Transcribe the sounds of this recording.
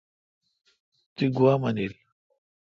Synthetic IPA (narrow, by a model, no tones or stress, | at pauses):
t̪iɡuwamɐnil